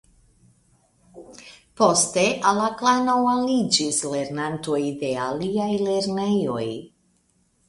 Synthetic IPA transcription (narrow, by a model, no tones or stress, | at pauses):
po̞ste̞ʔalaklanowalid͡ʒisle̞ɾnanto̞jde̞aliajle̞ɾne̞jo̞̰j